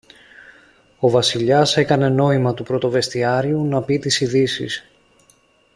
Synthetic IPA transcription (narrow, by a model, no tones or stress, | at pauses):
o̞vɐsiʎɐse̞kɐne̞no̞imɐt̪upɾo̞t̪o̞ve̞st̪iɐɾiunɐpit̪isiðisḭs